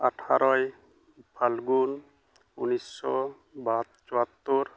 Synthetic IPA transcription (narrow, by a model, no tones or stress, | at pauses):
aʈʰa̰ɾɔj | pʰalɡun | unisːɔ̰ | bat̪̚t͡ʃɔat̪ːuɾ